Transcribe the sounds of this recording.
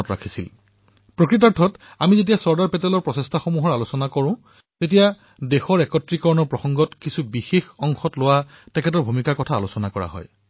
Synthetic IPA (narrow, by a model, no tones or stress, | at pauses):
ɔtɹa̰kʰisil | pɹokɹit̬aɹtʰɔt | a̰mizet̬ijasɔɹdaɹpɛtɛlɔɹpɹɔsestʰaxomuɦɔɹalusɔnakɔɹʊ̃ | tet̬ija | dɛxɔɹɛkɔtɹikɔɹɔnɔɹpɹɔxɔŋɡɔtkisubixexɔŋxɔtlʊwa | tɛkʰɛtɔɹbʱumikaɹkɔtʰaːlusɔnakɔɹa̰ɦɔ̰j